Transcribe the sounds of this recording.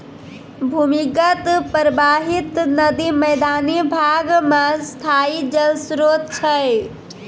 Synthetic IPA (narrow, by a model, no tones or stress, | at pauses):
bʱumikət̪pɾəbaːɦɪt̪nɐd̪iməɪd̪aːnibʱaːɡmãst̪ʰaːid͡ʒəlsɾoːt̪̚t͡ʃʰə